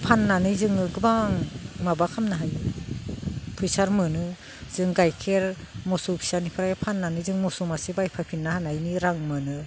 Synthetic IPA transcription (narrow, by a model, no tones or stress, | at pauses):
pʰanːanɯjzɯŋɯɡɯbaŋmabakʰamnaɦajɯ | pʰɯjsaɾmɯnɯ | z̥ɯŋɡajkʰeɾ | mɔsupʰi̥sanipʰɯɾajepʰanːanɯjzɯŋmɔsumasibajpʰapʰinːahanajniɾaŋmɯnɯ